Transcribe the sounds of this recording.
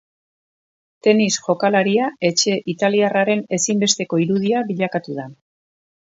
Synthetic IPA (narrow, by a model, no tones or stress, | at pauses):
t̪e̞nisʝo̞kalaɾiae̞t͡ʃe̞ʔit̪aliaraɾe̞ne̞simbe̞st̪e̞ko̞iɾuðiaβiʎakat̪uð̞a